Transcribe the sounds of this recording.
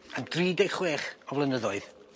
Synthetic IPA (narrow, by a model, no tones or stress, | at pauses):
amd̥riːdɛχweːχɔvlˠənəðɔɨð